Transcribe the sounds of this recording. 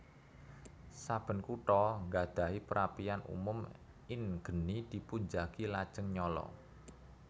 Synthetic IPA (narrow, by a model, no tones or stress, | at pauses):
sab̥ə̤nkuʈɔŋɡad̪̥a̤ɦipəɾapianṵmʊm | ɪnɡ̥ə̤nid̪̥i̤puɲd͡ʒakilad̥ʒ̥ə̤ŋɲɔlɔ̰